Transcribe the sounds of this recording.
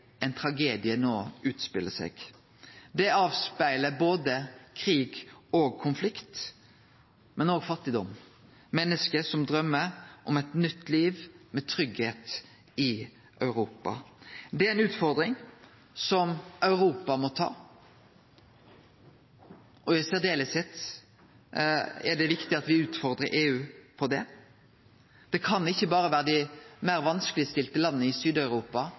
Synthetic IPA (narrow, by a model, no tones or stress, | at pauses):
ʔɛɪnt̪ʰɾɑɡeːd̪ɪənoːʉːt̪spɪlːəsɛ̰ɡ | d̪ɛɑːʋspæɪləboːd̪əkʰɾiːɡoːɡ̚kʰʊnflɪkt̪ | mɛnoːɡfɑt̪ːɪd̪ɔm | mɛnːəskəsɔmd̪ɾœmːəɾʔɔmɛt̪nʏt̪ːliːʋmɛt̪ʰɾʏɡheːt̪ | ɪ | ʔœʉɾuːpɑ̰d̪ɛæɾɛnʉːt̪fɔɾd̪ɾɪŋ | sɔmʔœʉɾuːpɑmɔt̪ʰɑ̰ː | ʔɔjæɪseːd̪eːləsɛt̪ː | ɛ̰ɖɛʋɪkt̪ɪɑt̪ʋɪʉːt̪fɔɾd̪ɾəɾʔeːʉːpʰɔd̪ɛ | d̪̥ɛkʰɑnɪçːəbɑːɾəʋæːɾəd̪ɪmæɾʋɑnskəlɪst̪ɪlt̪əlɑnːəɪsyːd̪ɑʉɾuːpɑ